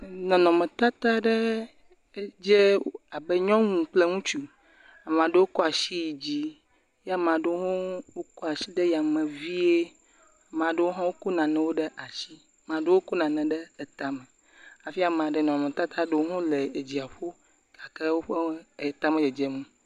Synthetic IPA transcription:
nɔ̃˨nɔ̃˨mẽ˨t̪a˦t̪a˦ɖe˦ | d͡ʒe˦a˨be˦ɲɔ̃˦ŋũ˨k͡ple˦ŋũ˦t͡ʃu˦ | a˨m˨ã˨ɖe˦wo˦kɔ˦a˨ʃi˦ji˨d͡ʑi˦ | ja˦mã˨ɖe˦o˦ɦo˦wo˦kɔ˦a˨ʃi˦ɖɛ˦ja˨mɛ̃˨vi˦e˦˨ | mã˨ɖe˦wo˦ɦɔ̃˦wo˦ku˦nã˨nɛ̃˨wo˦ɖe˦ʔa˨ʃi˦ | mã˨ɖe˦wo˦ko˦nã˨nɛ̃˨ɖɛ˦e˨t̪a˨mɛ̃˨ | a˨fi˦a˨m˨ã˨ɖɛ˨nɔ̃˨mẽ˨t̪a˦t̪a˦ɖe˦wo˦ɦõ˦le˨e˨d͡ʑi˨a˨ɸo˦ | ka˨ke˦wo˦ɸe˦˨t̪a˦mɛ̃˨jɛ˨d͡ʒe˦mũ˦

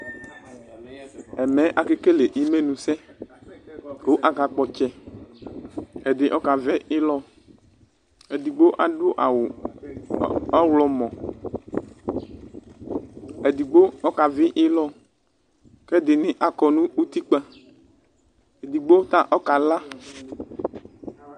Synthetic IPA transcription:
ɛ˨mɛ˨˦ʔa˨ke˦ke˦le˨ʔi˦me˦nũ˨sɛ˦ | ko˦ʔa˨ka˨k͡pɔ˨t͡ʃɛ˦ | e˨d̪ɪ˨ʔɔ˦ka˨vɛ˦ʔɪ˦lɔ˦ | e˨d̪i˨ɡ͡bo˦ʔa˨ɖʊ˦ʔa̰˨w | a˦wlɔ˨mɔ̃˨ | e˨d̪i˨ɡ͡bo˦ɔ˦ka˨vɪ˦ʔɪ˦lɔ˦ | kɛ˦d̪ɪ˨nɪ̃˦ʔa˨kɔ˨nũ˦u˦t̪i˦k͡pɛ˦ | e˨d̪i˨ɡ͡bo˦t̪a˦ʔɔ˦ka˨la˦

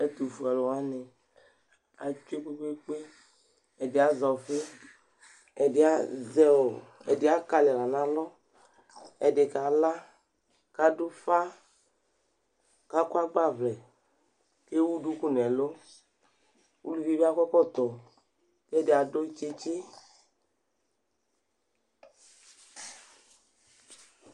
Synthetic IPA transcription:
ɛ˨t̪u˨fu˨ɛ˨lɔ˨wa˦ne˨ | a˨t͡ʃu˦e˦ku˦ke˦k͡pe˦ | ɛ˨dɪ˨˦a˨zɔ˨fe˦ | ɛ˨dɪ˨˦a˦zɛ˦o˨ɛ̰˨dɪ˨a˦ka˨lɛ˨la˨nã˨lɔ˦ | ɛ˨de˨ka˨la˦ | ka˨du˦fa˦ | ka˦kwa˦ɡ͡ba˦˨vlɛ˨ | ke˦wu˦du˨˦ku˦nɛ˨lo˦ | ṵ˦lu˨vi˦bi˦a˦kɔ˦kɔ˦t̪ɔ˨ | ke˦ɛ˦˨dɪ˨a˨do˦i˦t͡ʃe˦t͡ʃe˦

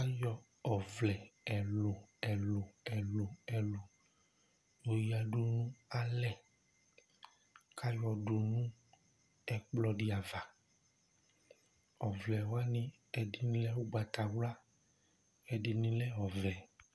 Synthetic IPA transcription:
ka˦jɔ˧ | ɔ˨vlɛ˨ɛ˨lo˨ɛ˨lo˨ɛ˨lo˨ɛ˨lo˨ | o˨ji˨˦a˨ɖu˦nũ˦a˦lɛ˦˨ | ka˦jɔ˧do˨nũ˦ | ɛ˨k͡plɔ˧di˧a˨va˨ | ɔ˨vlɛ˨wa˦nĩ˦ | ɛ˨di˨nĩ˦lɛ˦wu˦ɡ͡ba˨t̪a˨wla˦ | ɛ˨di˨nĩ˧lɛ˦ɔ˨vɛ˨

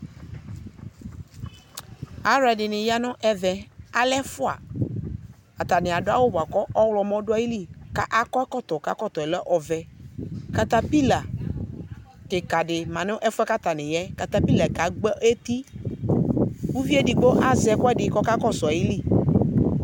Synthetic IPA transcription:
a˦ɾɛ˨dɪ˨nɪ̃˨ja˦nʊ̃˦ʔɛ˦vɛ˨a˦lɛ˦fʊ˦a̰˨ | a˨t̪a˨nɪ̃˨a˨dʊ˦a˦wo˦bo˨a˨kɔ˦ʔɔ˦wlɔ˨mɔ̃˦ɖʊ˦a˦ji˦li˦ka˦ʔa˦kɔ˦kɔ˦t̪ɔ˨ka˦kɔ˦˨t̪ɔ˨ɛ˨lɛ˦ʔɔ˨vɛ˨ka˨t̪a˦pi˦la˨ | tɪ˨ka˨ɖɪ˨mã˨nʊ̃˦ʔɛ˦fʊ˦ɛ˦ka˦t̪a˨nɪ̃˨jɛ˦ka˨t̪ã˦pi˦la˨ka˨ɡ͡bɛ˦e˦t̪i˦ | wu˦vi˦e˦dɪ˨ɡ͡bo˦ʔa˦zɛ˨kɔ˦ɛ˦dɪ˨˦kɔ˦ka˦kɔ˦sɔ˨a˨ji˦li˦˨

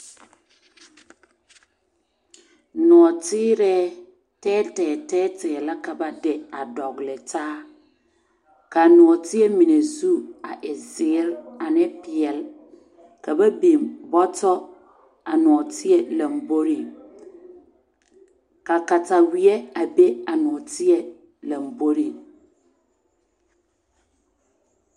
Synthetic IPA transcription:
nʊ˨ɔ˨tɪː˦ɾɛ˦ | tɛː˦tɛː˨tɛː˦tɛ˨la˦ka˨ba˦dɪ˨a˨dɔ˨ɡlɪ˨taː˦ | ka˨nʊ˨ɔ˨tɪ˦ɛ˦mi˨ne˨zu˦a˨ʔɪ˨zɪ˨˦ɾa˨nɪ˦pɪ˨ɛ˨l | kʰa˨bɛ˦bĩ˨mbɔ˦tʰɔ˦ | a˨nʊ̃˨ɔ˨tʰɪ˦ɛ˦lã˨mbo˦ɾi˨ | ka˨ka˨tʰa˨wi˨ɛ˦a˨be˦a˨nʊ̃˨ɔ˨tʰɪ˦ɛ˦ | lã˨m˨bo˦ɾi˨

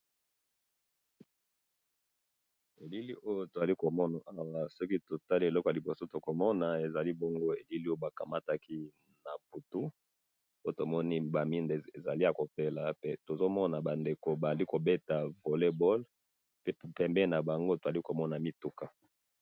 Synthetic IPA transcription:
e˨li˦li˦ʔo˦jo˦to˨za˨li˦ko˨mɔ˦na˨ʔa˦wa˨sɔ˦ki˦to˨ta˦li˦˨e˨lɔ˦ko˨a˨li˨bo˨so˦to˨ko˨mɔ˦na˨e˨za˨li˦bo˦ŋɡo˦e˨li˦li˦o˦jo˦ba˨ka˨ma˦ta˦kʰi˦ | na˨bu˨tu˦ | o˦jo˦to˨mɔ˦ni˦ba˨mi˦nde˨e˨za˨li˦a˨ko˨pe˦la˨e˦to˨zo˦mɔ˦na˨ba˨nde˨ko˨ba˨a˨li˦ko˨be˦ta˨vo˨le˦bɔ˦l | e˦pɛ˨mbɛ˦na˨ba˨ŋɡo˦to˨za˨li˦ko˨mɔ˦na˨mi˦tu˦ka˨

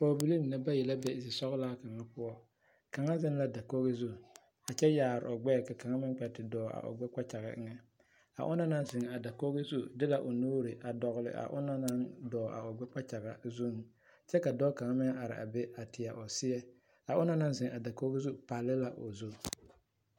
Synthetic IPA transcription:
pɔ˨bi˨˦li˦m˨na˦ba˦jɛ˨la˦bɛ˦˨sɪ˨sɔ˦ɣlaː˦ka˨ŋa˦pʊ˦ɔ˦ | ka˨ŋa˦zɪ˦n˦la˦da˨ko˦ɣɪ˦zu˦ | a˨t͡ʃɛ˦jaː˨ɾɪ̰˨ɔ˨ɡ͡bɛ˦˨ka˨ka˨ŋa˦mɪ˦k͡pɛ˨tɪ˨dɔː˨a̰˨ʔʊ̰˨ɡ͡bɛ˦k͡pa˦t͡ʃa˨ɣɪ̰˨˦ŋɛ˦ | a̰˨ʔʊ̰˦na˦na˦nzɪ˨ŋa˨da˨ko˦ɣɪ˦zu˦dɪ˦la˦ʔo˨noː˦ɾɪ˨ʔa˨dɔ˨ɣlɪ̰˨ʔa̰˨ʔʊ̰˦na˦na˦ŋdɔː˨a̰˨ʊ˨ɡ͡bɛ˦k͡pa˦t͡ʃa˨ɣa̰˨zu˦ŋ˨ | t͡ʃɛ˦ka˨dɔː˦ka˨ŋa˦mɪ˦ŋa˨ɾɪ̰˨ʔa̰˨be˦a˨tɪ˨a˨ʔʊ˨sɪ˦ɛ˦ | a˨ʔʊ˦na˦na˦nzɪ˨ŋa˨da˨ko˦ɣɪ˦zu˦pa˨lɪ˦la˦ʔo̰˨zu˦

